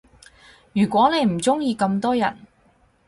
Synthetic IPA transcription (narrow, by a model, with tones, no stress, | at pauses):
jyː˨˩kʷwɔː˨˥ne˨˧jm̩˨˩t͡sʊ˥ŋjiː˧kɐ˧mt̪ɔː˥jɐ˨˩n